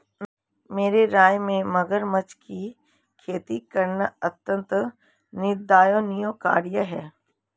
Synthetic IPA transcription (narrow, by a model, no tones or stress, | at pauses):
meːɾeɾaːjmẽmɐɡəɾmət͡ʃki | kʰeːt̪ikɐɾnəɐt̪jə̃nt̪ɾ | nɪd̪aːjoːnijoka̰ːɾjəɦɛː